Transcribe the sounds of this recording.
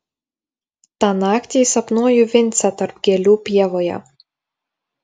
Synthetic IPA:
t̪ɑːnɑːkʲt̪ʲisɐpnuːjʊʋʲɪnʲˑt̪sʲæt̪ɐɾpɡʲɛlʲuːpʲiɛʋoːjɛ̰

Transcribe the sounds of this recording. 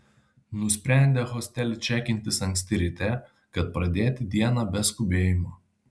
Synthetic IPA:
nʊsʲpʲɾʲæˑnʲd̪ʲeːxɔsʲt̪ʲɛlʲt͡ʃʲæːkʲɪnʲt̪ʲɪsɐŋksʲt̪ʲɪɾʲɪt̪ʲɛ | kɐt̪̚pɾɐd̪ʲeːt̪ʲɪd̪ʲiɛnɑbʲɛskʊbʲeːjɪmoː

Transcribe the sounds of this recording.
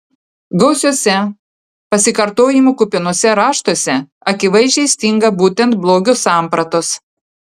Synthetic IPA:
ɡɒʊsʲuɔsʲɛ | pɐsʲɪkɐɾt̪oːjɪmuːkʊpʲɪnuɔsʲɛɾɑːʃt̪osʲɛ | ɐkʲɪʋɐɪʒʲɛɪsʲt̪ʲɪŋɡɐbuːt̪ʲɛnt̪̚blˠoːɡʲʊsɑˑmpɾɐt̪ʊs

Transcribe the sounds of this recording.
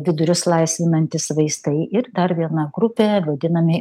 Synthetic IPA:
ʋʲɪd̪ʊɾʲʊslˠɐɪsʲʋʲɪnɐnʲt̪ʲɪsʋɐɪst̪ɐɪɪɾd̪ɐɾʋʲiɛnɐɡɾʊpʲeːʋɐd̪ʲɪnɐmʲɪ

